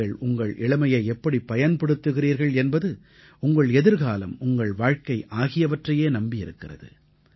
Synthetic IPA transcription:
ɐɭʊŋɡɐɭʔɪɭɐmɐjɐɪɛpːɐɽipːɐjɐnpɐɽɯt̪ːɯɣɪriːɾɣɐɭɛnbɐðɯ | ʊŋɡɐɭɛðɪɾɣaːlɐ̰mʊŋɡɐɭʋaːɻkɐɪʔaːɣɪjɐʋɐʈrɐjeːnɐmbɪjɪɾɯkːɪrɐ̰ðɯ̰

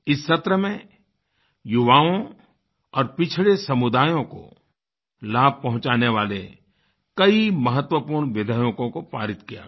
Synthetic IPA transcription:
ɪsːɐt̪ɾəmẽ | jʊʋaːõ | ɔːɾpɪt͡ʃʰɪɭesɐmʊd̪aːjõko̰ | laːb̚ʱpɐɦʊ̃t͡ʃaːneʋaːlḛ | kɐimɐɦət̪wəpuːɾɳʋɪd̪ʱəjõkõkopa̰ːɾɪt̪kija̰ː

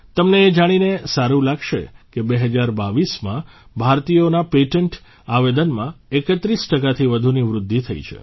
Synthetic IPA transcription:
t̪əmneːd͡ʒaɽ̃inesaɾũlaɡʃḛkebeɦəd͡ʒaɾbaʋismã | bʱaɾt̪ijonapeʈəɳʈ | aʋed̪ənmãekət̪ɾisʈəkat̪ʰiʋəd̪ʱuniʋɾʊd̪ʱːit̪ʰəḭt͡ʃʰḛ

